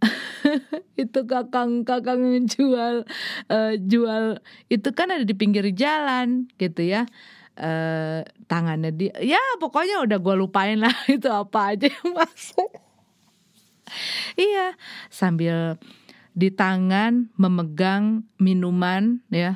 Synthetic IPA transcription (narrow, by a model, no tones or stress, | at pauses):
it̪ukakaŋkakaŋd͡ʒualəd͡ʒualit̪ukanadadipiŋɡɪrd͡ʒalanɡit̪uja | ʔət̪aŋanɲadiajapokoɲaudahɡualupaɪnlahɡit̪uapaːd͡ʒamasʊ | ijasambɪl | dit̪aŋanməməɡaŋminumanja